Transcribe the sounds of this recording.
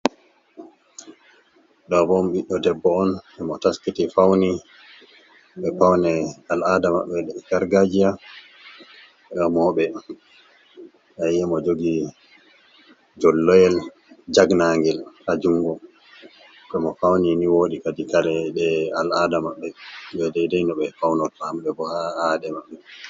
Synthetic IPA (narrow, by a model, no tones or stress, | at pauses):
ɗɔbɔmɓiɗɔdɛbːɔːnʔɛmɔtaskitifawni | ɓɛpawnɛaladama̰ɓːɛɗɛɡaɾɡad͡ʒija | ɛɗɔmɔɓɛ | ʔajɛmɔd͡ʒoɡi | d͡ʒɔlːɔjɛl | d͡ʒaɡnaŋɡɛlhad͡ʒuŋɡɔ | kɛmɔfawniniwoːɗikadikaɾɛɗɛaladamaɓːɛbɛdɛjdɛjnɔɓɛfawnɔtamɓɛbɔhaadɛmaɓːɛ